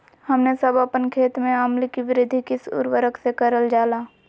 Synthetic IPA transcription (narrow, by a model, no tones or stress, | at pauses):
hɐmnesəbəpənkʰeːt̪mẽəmlikiʋɪɾɪd̪ʱikɪsʊ̰ɾwəɾəksekəɾəld͡ʒaːlaː